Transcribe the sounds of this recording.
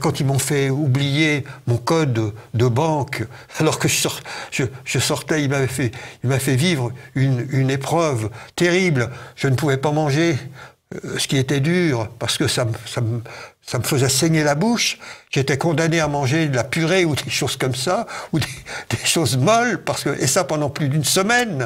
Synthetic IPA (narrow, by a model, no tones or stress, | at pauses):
kɑ̃t̪ilmɔ̃fɛublijemɔ̃kɔd̪ːəbɑ̃k | alɔʁkəʒəsɔʁʒ̥əʒ̥əsɔʁt̪ɛilmavɛfɛilmafɛvivʁynynepχœvt̪eʁiblʒ̥ənəpuvɛpamɑ̃ʒe | sə̥kʲiet̪ɛd̪yːʁpaʁsə̥kəsamsamsaməfəzɛsɛɲelabuʃʒ̥et̪ɛkɔ̃d̪aneamɑ̃ʒed̪əlapyʁeud̪eʃoz̥kɔmsaud̪ed̪̥eʃozmɔlpaʁsə̥kəʔḛsapɑ̃d̪ɑ̃plyd̪ynsəmɛn